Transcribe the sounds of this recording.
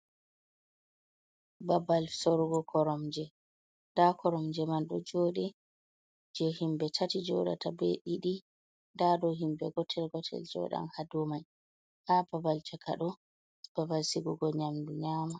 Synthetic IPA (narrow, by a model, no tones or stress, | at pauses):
babalsɔɾuɡɔkʰɔɾɔmd͡ʒɛ | dakʰɔɾɔmd͡ʒɛmanɗɔ̰d͡ʒɔːɗɛ | d͡ʒɛhimbɛtʰatid͡ʒɔ̰ɗa̰tʰabɛɗiɗi | dadɔɦimbɛɡɔtʰɛlɡɔtʰɛ̰ld͡ʒɔ̰ɗa̰nhadɔmaj | hababalt͡ʃakʰa̰ɗɔ | b̥abalsiɡɔɡɔɲamduɲaːma